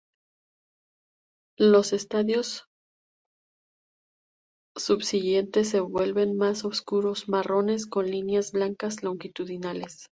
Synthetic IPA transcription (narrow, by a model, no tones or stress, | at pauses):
lo̞se̞st̪aðjo̞s | uβsiʝe̞nt̪e̞s̬ːe̞βwe̞lβe̞nmasoβskuɾo̞zmaro̞ne̞s̬ko̞nlinjazβlaŋkazlo̞ŋxit̪uðinale̞s